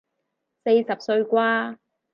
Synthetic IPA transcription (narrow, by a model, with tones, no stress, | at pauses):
se˧jsɐ˨p̚sɵ˧ɥkʷaː˥